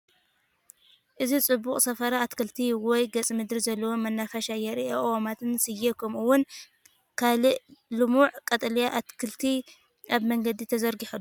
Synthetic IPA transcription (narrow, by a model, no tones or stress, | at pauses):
ʔɨzit͡sʼɨbːukʼsɐfɐɾaːt̪kʰɨlt̪ʰiwɔjɡɐt͡sʼimɨd̪ɾizɐlːɐwomɐnːafɐʃajɛɾiʔeʔwomat̪ʰɨnsɨjːekʰɐmuwʊn | kʰalɨʔlɨmuʕkʼɐt̪ʼljaʔat̪kʰɨlt̪ʰi | ʔaβmɐŋɡɐd̪it̪ʰɐzɐɾɡiħulːu